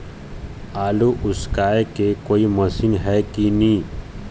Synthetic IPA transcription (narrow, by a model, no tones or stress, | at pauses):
aːluʔʊskaːekekoːiməsɪnɦɛkinĩː